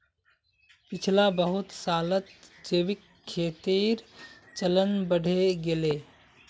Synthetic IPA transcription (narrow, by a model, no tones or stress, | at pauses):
pit͡ʃʰlabəɦut̪salət̪d͡ʒebikʰːet̪iɾ | t͡ʃələnbəɽ̤ʱeɡele